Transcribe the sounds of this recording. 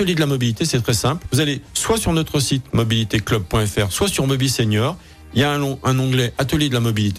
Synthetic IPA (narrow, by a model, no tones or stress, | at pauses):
t̪əljed̪əlamɔbilit̪esɛt̪χɛsɛ̃plvuzaleswasyʁnɔt̪χəsit̪mɔbilit̪eklɔb̚pːwɛ̃ɛfɛʁswasyʁmɔbiseɲjɔːʁ | iljaɛ̃ɔ̃ʔɛ̃nɑ̃ɡlɛʔat̪əljed̪əlamɔbilit̪e